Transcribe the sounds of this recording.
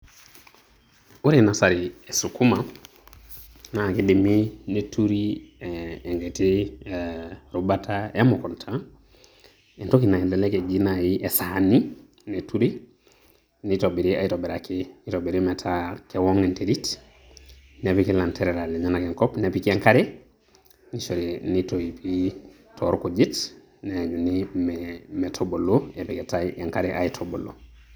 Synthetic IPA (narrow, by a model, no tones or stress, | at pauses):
uɾenasaɾiesukuma | nakediminetuɾiː | ŋɡeti | ɾubataamɔkɔntʰa | entokinaileleked͡ʒinajiʔesani | netuɾi | nitobiɾia̰jitobeɾakiitobiɾimetʰakewoŋenteɾit | nepikelanteɾeɾaleɲanakeŋkɔpnepikieŋkaɾe | nisoɾinitojipi | tʰoɾkuɟit | neɲunimɛmetʰoboloepiketaeŋkaɾeʔa̰jitʰobolo̰